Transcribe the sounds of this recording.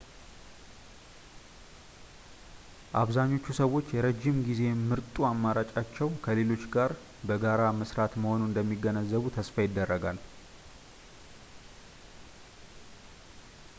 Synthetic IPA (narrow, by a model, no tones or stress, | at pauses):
ʔaβzaɲːo̞t͡ʃːusəwːo̞t͡ʃːjɛɾəd͡ʒːɪmɡize̞mɨɾt̪ʼuamːaɾat͡ʃʼat͡ʃːɛwkʰəle̞lo̞t͡ʃːɡaɾ | bəɡaɾaməsɾat̪məho̞nund̪əmːiɡənəzːəβut̪ʰəsfajɪd̪ːərːəɡal